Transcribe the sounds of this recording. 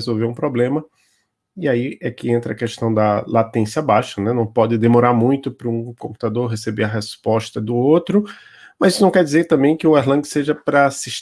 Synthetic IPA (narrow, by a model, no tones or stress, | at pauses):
zowveɾũpɾoblẽmɐ | iaiɛkɪẽnt̪ɾɐkɛʃt̪ɐ̃w̃d̪ɐlat̪ẽsjɐabaʃɐnɛnɐ̃w̃pɔd͡ʒ̪ɪd̪emɔɾaɾmũj̃t̪ʊpɾʊũkõmpu̥t̪ad̪oɾɦesebeɾɐɦɛspɔʃt̪ɐd̪ʊot̪ɾʊ | mɐzisʊunɐ̃w̃kɛɾd͡ʒizeɾt̪ɐ̃mbẽj̃kɪʊɛɦlɐ̃ɡɪseʒɐpɾɐːsiʃ